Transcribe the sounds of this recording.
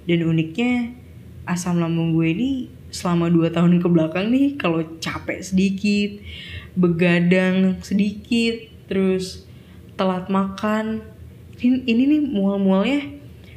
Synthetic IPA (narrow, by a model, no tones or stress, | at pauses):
danunɪk̚ɲa | ʔasamlamuŋɡueini | səlamaduat̪aɦʊnkəblakaŋnɪhkalot͡ʃapɛ̰ʔsədikɪt̪̚bəɡadaŋsədikɪt̪ːəɾʊs | t̪əlat̪̚makan | niininɪmualmualɲa